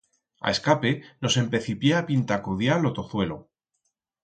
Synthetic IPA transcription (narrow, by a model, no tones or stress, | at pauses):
a̰e̞skape̞no̞se̞mpe̞θipje̞apint̪akoðjalo̞t̪o̞θwe̞lo̞̰